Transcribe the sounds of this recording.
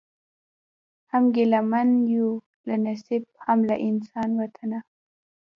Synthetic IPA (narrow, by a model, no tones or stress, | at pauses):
hamɡelamanju | lanasib̚hamlaʔɪnsɑnwat̪ʰana